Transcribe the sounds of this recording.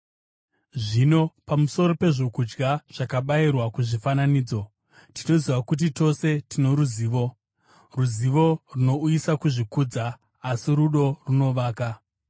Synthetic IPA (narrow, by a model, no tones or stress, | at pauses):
ʐino̞pamuso̞ɾo̞pe̞ʐo̞kud͡ʒɡaʐ̥akaɓairwakuʐifananiːd͡zo̞ | tino̞ziʋakut̬ito̞se̞tino̞ɾuziːʋo̞ | ruziʋo̞runo̞ujisakuʐikuːd͡zaː | siɾuɗo̞runo̞ʋaːka